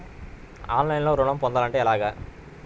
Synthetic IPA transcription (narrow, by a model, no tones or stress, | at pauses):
a̰ːnlɐɪ̃nloːɾʊɳɐmpoːnd̪alɐɳʈɯɛlaːɣɐ